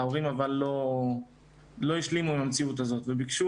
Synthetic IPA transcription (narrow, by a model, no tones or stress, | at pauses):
oʁimavalːo̞ | lo̞jiʃlimuimamt͡siut̪̬azo̞t̪vebikʃu